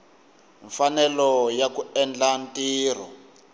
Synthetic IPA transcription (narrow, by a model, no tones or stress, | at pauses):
ɱfanɛlɔjakuɛnd͡ɮantiːr̤ɔ̰